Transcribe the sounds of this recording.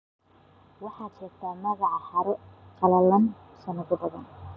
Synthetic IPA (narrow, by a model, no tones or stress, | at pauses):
wɑħɑːt͡ʃɛɾt̪ʰaːmɐɣɑʕɑhɐɾɛqʰɑlɐlɐn | sɐnɐɣʊbɐðɐ̰n